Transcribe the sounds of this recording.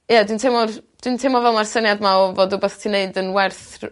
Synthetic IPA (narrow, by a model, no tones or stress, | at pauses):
jadwintʰemɔrd̥wintʰemɔvɛlˠmarsənjadmaɔvodʊbɛθtʰineɨdənwɛrθr